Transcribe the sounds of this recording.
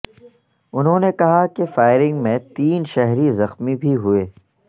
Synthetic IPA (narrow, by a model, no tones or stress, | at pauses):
ʊnɦõːnekɐɦakefaːɪɾɪ̃ŋɡmẽt̪iːnʃɛɦɾizɐxmibʱiɦueː